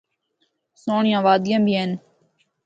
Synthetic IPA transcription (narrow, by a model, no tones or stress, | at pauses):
soːɳɪjãːʋaːd̪ɪjãːbʱiːeːn